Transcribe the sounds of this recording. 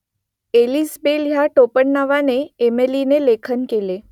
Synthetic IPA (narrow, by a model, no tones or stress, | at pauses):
elisbeljaʈopəɳːaʋaneːmelinelekʰənkele